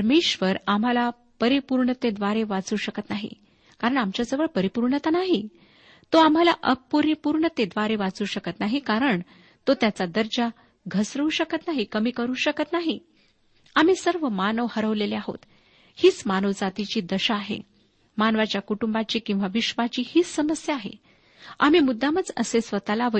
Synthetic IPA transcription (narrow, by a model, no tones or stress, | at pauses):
ɾmeɕʋəɾam̤ala | pəɾipuɾɳət̪ed̪ʋaɾeʋat͡suːɕəkət̪naɦḭ | kaɾəɳamt͡ɕjad͡zəʋəɭpəɾipuɾɳət̪anaɦi | t̪oam̤alaʔəpuɾpuɾɳət̪ed̪ʋaɾeʋat͡suːɕəkət̪naɦikaɾəɳ | t̪ot̪jat͡sad̪əɾd͡ʑa | ɡʱəsɾəuɕəkət̪naɦikəmiːkəɾuːɕəkət̪naɦi | am̤isəɾʋəmanəʋhəɾəʋleleaɦo̰t̪ | hiːt͡smanoʋd͡zat̪it͡ɕiːd̪əɕaːɦḛ | manʋat͡ɕjakuʈumbat͡ɕiːkĩw̃ʋaʋiɕʋat͡ɕiːhiːt͡sːəməsjaːɦḛ | a̰m̤iːmud̪ʱːamət͡səsesʋət̪alaʋə